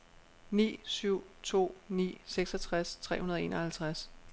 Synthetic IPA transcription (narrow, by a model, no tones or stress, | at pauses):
nḭːsyʊ̰t͡sʰo̝̰ːnḭːseɡ̥sɒt͡sʰʁast͡sʰʁɛ̰ːhunɐð̞ˠe̝̰ːnʔɒhælt͡sʰʁas